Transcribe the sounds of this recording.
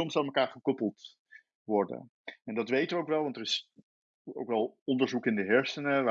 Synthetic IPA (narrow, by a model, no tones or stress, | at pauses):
ɔmsɑlˠməkaːɹχəkɔpəl̩ˠt | ʋɔɹdə̰ | ɛndɑtʋejtəʋəowkʋɛlˠʋɑntərɪs | o̰wkʋɛlˠɔndəɹzukɪndəɦɛɹsənəʋa